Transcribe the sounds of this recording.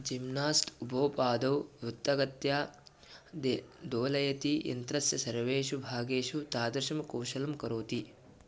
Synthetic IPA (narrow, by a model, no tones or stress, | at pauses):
d͡ʒimnaːstubʱɐːpaːd̪ɐwut̪ːɐɡɐt̪jaː | d̪oːlɐjɐt̪ijɐ̰nt̪ɾɐsjɐsɐɾʋeːʃubʱaːɡeːʃut̪aːd̪ɐɾʃɐmkɐwʃɐlɐmkɐɾoːt̪i